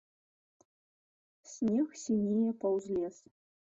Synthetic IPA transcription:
sʲnʲexsʲinʲejepɑwzlʲes

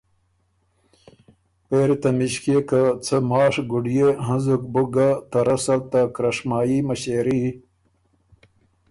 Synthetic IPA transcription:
peːɾit̪amiɕkekat͡sʰəmɑːʂɡuɖijeɦɐnzuk̚buɡat̪ɐɾɐsɐlt̪akɾɐʂmaːjimaɕeːɾi

